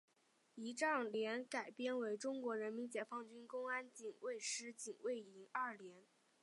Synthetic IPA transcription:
i˧˥ʈ͡ʂɑ˥˩ŋljɛ˧˥nka˨˩ɪpjɛ˥nwe˧˥ɪʈ͡ʂʊ˥ŋkwɔ˧˥ɻə˧˥nmi˧˥nt͡ɕjɛ˨˩fɑ˥˧ŋt͡ɕy˥nkʊ˥ŋa˥nt͡ɕi˨˩ŋwe˥˩ɪʂɻ̩˥t͡ɕi˨˩ŋwe˥˩ɪi˧˥ŋa˥˩ljɛ˧˥n

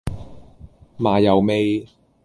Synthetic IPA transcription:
maː˨jɐ˨˩wme˧j

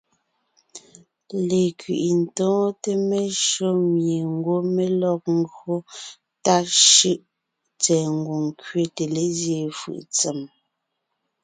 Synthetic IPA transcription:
le˨kɥḭ˨ʔi˨n̩˨tɔ̃ː˦te˦me˦ʃo˦mje˨ŋ˦ɡwo˦me˦lɔ˦k̚ŋ˦ɡo˦ | ta˦ʃɯ˦ʔ | t͡sɛ˨ŋ˦ɡo˨ŋ˦kɥe˦te˨le˦zje˨fɯ̰˨ʔt͡se˨m

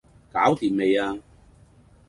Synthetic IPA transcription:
kaː˨˥wt̪iː˨˩mme˨˧jaː˧

